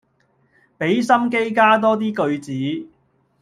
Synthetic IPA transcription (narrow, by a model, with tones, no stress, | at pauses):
pe˨˥jsɐ˥mke˥jkaː˥t̪̬ɔː˥t̪̬iː˥kɵ˧ɥt͡siː˨˥